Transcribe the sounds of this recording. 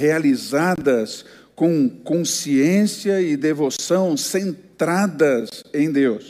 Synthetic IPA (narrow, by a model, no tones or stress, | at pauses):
healizad̪ɐs | kõw̃kõsiẽsiɐɪd̪evosɐ̃w̃sẽnt̪ɾad̪ɐzẽj̃d̪ews